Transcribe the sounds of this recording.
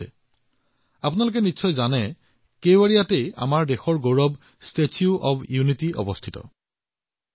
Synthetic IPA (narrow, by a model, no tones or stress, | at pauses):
ɛ̰ | apʊnalʊk̬ɛnisʰɔjzanɛ | kejwaɹijateja̰maɹdexɔɹɡoɹɔb | stet͡ʃuʔɔbjunitiɔ̰bɔstʰitɔ̰